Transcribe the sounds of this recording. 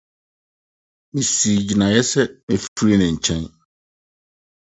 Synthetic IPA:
mĩ˨si˨d͡ʑi˨nã˨jɛ˦sɛ˦mɪ̃˨ffu˦ɾi˦nɪ̃˨ɲ̩˨t͡ɕʰɛ̃˦n

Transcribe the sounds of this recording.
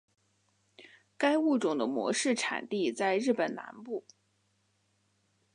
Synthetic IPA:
ka˥ɪu˥˩ʈ͡ʂʊ˨˩ŋd̪ə˦mwɔ̰˧˥ʂɻ̩˥˩ʈ͡ʂʰa̰˨˩nt̪i˥˧t͡sa˥˧ɪɻɻ̩˥˩pə˨˩nna̰˧˥npu˥˩

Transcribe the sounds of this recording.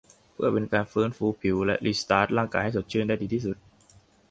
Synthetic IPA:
pʰɯ˥˩ɐpe˧nkaː˧nfɤː˦˥nfuː˧pʰi˨˩˦wlɛ̰˦˥ʔli˦˩st̪aː˦˥t̪̚laː˥˩ŋkaː˧jha˥˩jso˨˩t̪̚t͡ɕʰɯ˥˩˨nda˥˩diː˧t̪iː˥˩su˨˩t̪̚

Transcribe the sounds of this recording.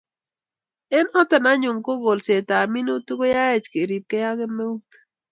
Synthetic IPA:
ɛ˦nɔ˦tɛ˨na˦ɲʊ˨ŋko˦ɡo˨lse˨ta˨mi˦no˦tu˦ɡo˦ja˦ɛ˨t͡ʃke˨ɾi˨p̚kɛ˦ja˦ɡɪ˦me˦u˦t

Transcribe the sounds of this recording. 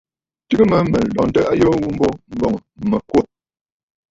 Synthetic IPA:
tɨ˦ɡmə˦mə˨lɔ̰˨n˦tə˦ʔa˦jɔ˦wu˦m̩˦bɔ˦m̩˦bɔ˨ŋ˨mə˨kwo˦

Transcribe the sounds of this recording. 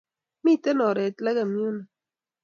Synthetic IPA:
mi˦˨t̪e˦no˨ɾe˨t̪la˦ɡa˨mju˦na˨

